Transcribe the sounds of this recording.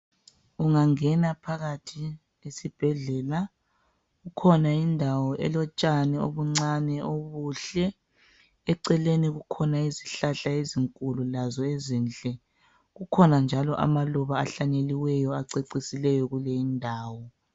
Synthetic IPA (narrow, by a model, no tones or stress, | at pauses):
uŋaŋɛnapʰaɣatʰi | esib̥ʱɛɮɛla | ɣukʰɔnaindʱawɔʔɛ̰lɔt͡ʃʼanɛo̰βuŋ͡ǀanɛoβuɬɛ | ɛǀɛleniɣukʰɔnaiziɬaɬaeziŋkʼululazɔezint͡ɬʼɛ | ɣukʰɔnand͡ʒʱalɔʔa̰maluβaːɬaɲeliwɛjɔaǀeǀisilɛjɔɣulɛindʱaːwɔ